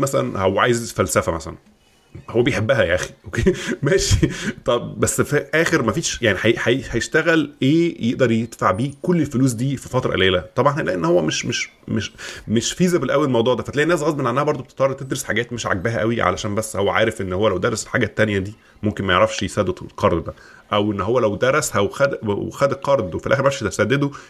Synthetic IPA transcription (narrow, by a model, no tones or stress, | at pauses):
mæsælæ̰nhowːæʕaːjezfælsæfæmæ̰sæ̰læ̰n | howːæbejħebːæɦæjæʔæxi̥ʔokemæːʃit̪ˤɑbbæsːfiʔæːxeɾmæfiːʃjaʕniħæjħæjhæjeʃt̪æɣælʔeːjeʔd̪ɑɾˤjed̪̥faʕbiːkolːelfoluːs̬d̪iːfifɑt̪ɾˤʔæ̰leːlæt̪ˤɑbʕɑnhæelæːʔenːhowːæmeʃmeʃ | meʃmeʃfiːzæbelʔæwːælelmɑwd̪ˤuːʕd̪æːfæt̪læːʔinæːs̬ɣɑzmælːʔænːæhæbɑɾˤd̪obet̪e̥t̪ːˤɑɾrːeɾt̪ed̪ɾosħa̰ɡæːt̪meʃʕa̰ɡ̚bæɦæʔæwiʕa̰læ̰ʃæːmbæsːhowːæʕa̰ːɾefʔenːhowːælæwd̪æɾeselħaːɡæt̪ːænjæd̪iː | momkenmæjḛʕɾˤɑfʃjesæd̪ːed̪lqɑɾˤd̪bæ | ʔæwʔenːɦowːælæwd̪æɾˤæshæwxæd̪̰wxæd̪elqɑɾˤd̪wefilʔæːxeɾmæfʃæsæd̪ːed̪o